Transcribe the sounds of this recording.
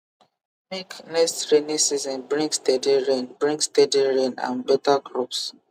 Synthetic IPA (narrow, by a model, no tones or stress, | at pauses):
meknɛstɹenĩsizɔ̃nbɹĩŋkstɛdiɹẽnbɹĩŋkstɛdiɹẽnã̰nbɛtaɡɹups